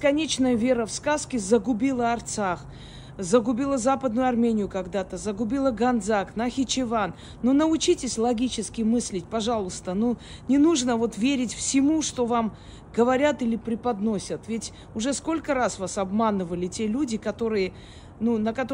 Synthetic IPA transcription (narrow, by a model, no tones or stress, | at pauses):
skɐnʲet͡ɕnəjəvʲe̞ɾəfskaskʲɪzəɡʊbʲilˠəɐrt̪sax | zəɡʊbʲilˠəzapəd̪nʊjʊɐrmʲenʲɪjʊkɐɡd̪at̪əzəɡʊbʲilˠəɡɐnd̪zaknɐxʲɪt͡ɕɪvanː | onəʊt͡ɕitʲɪsʲlˠɐɡʲit͡ɕɪskʲɪmɨsʲlʲɪtʲpɐʐalˠʊst̪ənunʲɪnuʐnəvo̞t̪vʲeɾʲɪtʲfsʲɪmuʂt̪o̞vam | ɡəvɐɾʲat̪ilʲɪpɾʲɪpɐd̪nosʲət̪vʲɪtʲ | ʊʐɛsko̞lʲkəɾasvasɐbmanɨvəlʲɪtʲe̞lʲudʲɪkɐt̪o̞ɾɨjə | nunəkɐt̪